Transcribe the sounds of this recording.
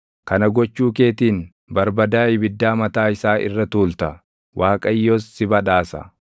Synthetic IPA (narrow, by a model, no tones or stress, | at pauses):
kɐnɐɡɔt͡ʃːuːke̞ːt̪iːn | bɐɾbɐd̪aːɪbɪd̪ːaːmɐt̪aːɪsaːʔɪ̰rːɐt̪uːlt̪ɐ | wʔaːkʼɐjːoːsːɪbɐᶑaːsɐ̰